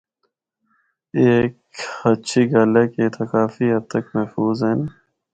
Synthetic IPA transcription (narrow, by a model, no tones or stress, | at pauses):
eːkɐtːt͡ʃʰiɡaːleket̪ʰɐkaːfiɦɐt̪əkmɛɦfuːzɦeːn